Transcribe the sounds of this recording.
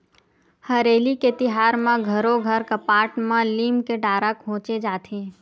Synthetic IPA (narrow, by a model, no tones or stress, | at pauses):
hɐɾeːliket̪ɪɦaːɾmẽɡʱɐɾoɡʱəɾkɐpaːʈmãliːmkeɖaːɾakʰõːt͡ʃed͡ʒaːt̪ʰeː